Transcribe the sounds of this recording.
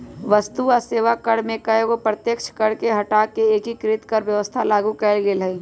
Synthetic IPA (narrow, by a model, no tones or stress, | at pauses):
ʋəst̪uɔseːʋakɐɽmẽkɐeɡopɾət̪jəkʃʰkəɽkeɦɐʈaːkːeeːkikɾɪt̪kəɾʋjəʋəst̪ʰalaːɡukɛːlɡelɐi